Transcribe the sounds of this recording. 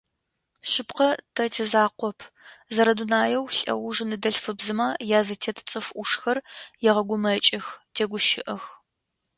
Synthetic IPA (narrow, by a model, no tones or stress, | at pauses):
ɕɪpqɐtʰɐtʰezaːqʷɔpʰ | zɐɾɐdunaːjɛwɬʼɐ̰wʊʒɨnɨdɐɬfɨbzɨmaːjaːzɐtʰetʰt͡sʼɨfʔʷʊʂxɐrjɛʁɐɡʷʊmɐt͡ʃʼɪxtʰeːɡʷʊʃɪʔɐx